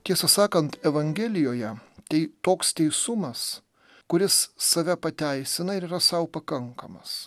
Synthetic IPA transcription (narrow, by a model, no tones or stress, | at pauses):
t̪ʲiɛsɐsɑːkɐnt̪ɛʋɐŋʲɡʲɛːlʲɪjoːjɛt̪ʲɛɪt̪oːkst̪ʲɛɪsʊmɐs | kʊɾʲɪsːɐʋʲɛpɐt̪ʲæɪsʲɪnɐɪɾiːɾɐsɐʊpɐkɐŋkɐmɐs